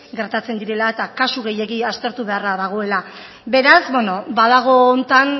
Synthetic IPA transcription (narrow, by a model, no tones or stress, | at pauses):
ɡe̞ɾt̪at͡se̞nd̪iɾe̞laet̪akasuɣe̞je̞ɣiast̪e̞ɾt̪uβe̞araðaɣ̞o̞e̞la | be̞ɾazbweno̞baðaɣ̞o̞ːnt̪an